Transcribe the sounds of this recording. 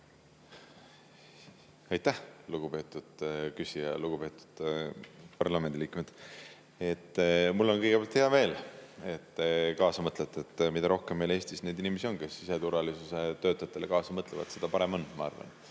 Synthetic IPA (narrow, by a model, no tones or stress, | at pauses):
ɑjt̪ːˑæhluɡ̥upe̞ːt̪ːˑud̪̥kysijɑ̰luɡ̥upe̞ːt̪ːˑu̥d̪̥ | pɑrlɑme̞nd̪iliːkmed̪̥ | e̞t̪ːmulːo̞nkɤjɡepæɑlt̪heɑve̞ːle̞t̪ːekɑːsɑmɤt̪let̪ːˑet̪ːmid̪ɑɾo̞hkemːejle̞ːsʲt̪isne̞jd̪inʲimesʲio̞nke̞sːise̞t̪uɾvɑlisuse̞t̪ø̞ːt̪ːˑɑjɑt̪ːˑe̞lekɑːsɑmɤt̪levɑ̰t̪se̞d̪̥ɑpɑɾe̞mo̞nːmɑɑ̰rvɑ̰n